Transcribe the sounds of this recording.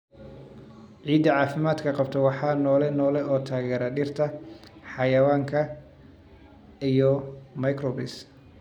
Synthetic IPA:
ʕiːd̪ɐʕɑːfɪmaːd̪kʰɐqɑbt̪ʰɔwɑħɑːnɔːlɛnɔːlɛʔɔːt̪ʰaːɣɛːɾɐɖɪrt̪ʰɐħɑjɐwaːŋkʰɐ | ijɔmɐjkrɔːbɪs

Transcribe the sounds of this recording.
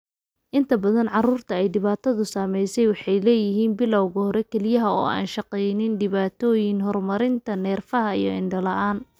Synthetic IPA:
ʔɪnt̪ʰɐbɐðɐnʕɑruːrt̪ʰɐɛjɖɪβaːt̪ʰɐðʊsaːmɛjsɛjwɑħɑjlɛːjɪɦiːnbɪlɐwɣɐhɔɾɛkʰɛlɪjɐɦɐɔ̰ːa̰ːnʃɐqɛjnɪnɖɪβaːt̪ʰɔːjɪnɦɔrmɐɾɪnt̪ʰɐnɛːrfɐɦɐijɞɪɳɖɐlɐʔaːn

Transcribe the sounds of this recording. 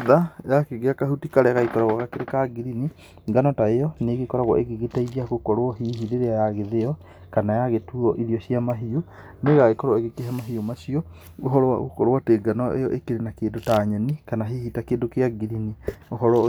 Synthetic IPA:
ðajakeɣeakaɦutikaɾɛaɣaikɔɾaɣwɔkakeɾekaɡiɾini | ɡanɔtaejɔneːɣekɔɾaɣwɔ̰ʔeɣeɣetaiɾiaɣokɔɾwɔɦiːɦiɾeɾeajaɣeðeɔ | kanajaɣetuɔʔiɾiɔɕiamaɦio | neɣaɣekɔɾwɔeɣekeɦɛmaɦiomasiɔ | oɦɔ̰ɣo̰kɔɾwateɡanɔḛjɔʔekeɾenakeːndotaɲɛnikanaɦihitakeːndokeaɡiɾinioɦɔɾɔ

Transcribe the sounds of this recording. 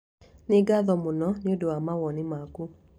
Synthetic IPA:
neɡaðɔmonɔneodowamawɔnimaku

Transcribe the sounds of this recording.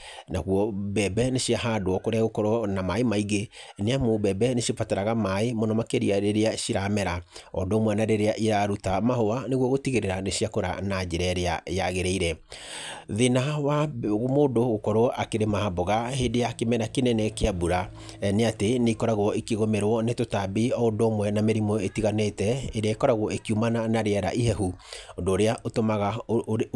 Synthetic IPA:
naɣwɔbɛbɛneɕiaɦaːdoɔkoɾeaɣokɔɾɔnamaemaiɣeneamobɛbɛneɕiopataɾaɣamaemɔnɔmakeɾiaɾeɾeaɕiɾamɛɾaɔdɔmwanaɾeɾeaʔiɾaɾutamahowaneɣwɔɣotiɣeɾeɾaneɕiakoɾa̰nad͡ʑeɾɛɾeajaɣeɾɛiɾɛ | ðenawamoːndoɣokɔɾoɔʔakeɾemaaboɣaheːndejakemɛɾakenɛnɛkeabuɾa | ɛneateneikɔɾaɣwɔekeɣomɛɾwɔnetotabiɔodoːmwɛnameɾimɔetiɣanetɛeɾeaekɔɾaɣwɔekiumananaɾeɛɾa̰ʔihɛɦuondoːɾeaʔotomaɣa

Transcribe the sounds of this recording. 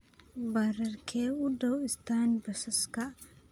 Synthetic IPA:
baɾɐɾkʰeːʊdɐwɪst̪aːnbɐsɐskɐ

